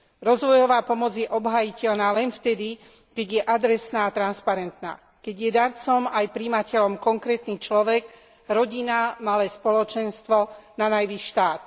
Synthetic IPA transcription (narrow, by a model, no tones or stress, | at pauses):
ɾɔzʋɔjɔʋaːpɔmɔd͡zjɛʔɔbɦajicɛlnaːlɛnft̪ɛd̪i | kɛɟjɛʔad̪ɾɛsnaːt̪ɾanspaɾɛnt̪na̰ː | kɛɟjɛd̪aɾt͡sɔmajpɾiːmacɛlɔmkɔŋkɾɛːt̪niːt͡ʃlɔʋɛɡ | ɾɔɟinamalɛːspɔlɔt͡ʃɛnst̪ʋɔnanajʋiʃʃʃt̪aːt̪